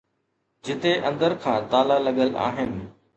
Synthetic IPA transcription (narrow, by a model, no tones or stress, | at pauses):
d͡ʑɪt̪eʔɐ̰̃nd̪əɾkʰãːt̪aːlalɐɠəla̰ːɦɪnɪ̆